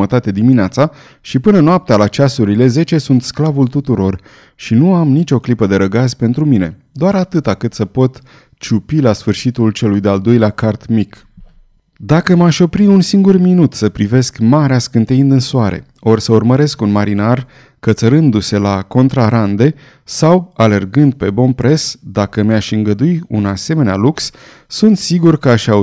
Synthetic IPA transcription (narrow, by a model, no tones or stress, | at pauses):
ət̪at̪ed̪imineat̪sa | ʃipɨnənoap̚t̪ealat͡ʃasuɾile̞ze̞t͡ʃe̞sunt̪sklavult̪ut̪uɾo̞r | ʃinuamnit͡ʃʲo̞klipəd̪e̞ɾəɡazʲpe̞nt̪ɾumine̞̰ | d̪oaɾat̪ɨt̪akɨt̪səpo̞t̪ | t͡ʃupilasfɨrʃit̪ult͡ʃe̞lujd̪e̞ald̪o̞jleakart̪mik | d̪akəmaʃʲo̞pɾiunsiŋɡurminut̪səpɾive̞skmaɾeaskɨnt̪eind̪ɨnsoaɾe̞̰ | o̞rsəurməɾe̞skunmaɾinar | kət̪səɾɨnd̪use̞lako̞nt̪ɾaɾand̪e̞ | sawale̞rɡɨnd̪̚pe̞bo̞npɾe̞sd̪akəmaʃɨŋɡəd̪uiunase̞me̞nea̰luks | sunt̪siɡurkəaʃʲa